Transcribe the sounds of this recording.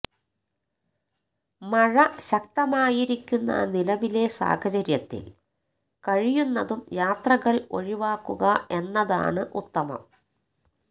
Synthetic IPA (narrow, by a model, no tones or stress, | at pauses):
mɐɻɐɕɐk̚t̪ɐmaːjiɾikʲːunːɐ̰nilɐʋile̞sa̰ːhɐt͡ɕɐɾjɐt̪ːḭl | kɐɻijunːɐðumjaːt̪rɐɣɐɭo̞ɻiʋaːkːuɣɐʔe̞nːɐða̰ːɳɨʔut̪ːɐmɐ̰m